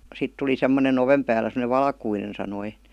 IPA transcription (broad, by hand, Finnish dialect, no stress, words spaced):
sit tuli semːonen oʋem pæːlæ semə̆neʋ ʋɑlkuinen sɑnoi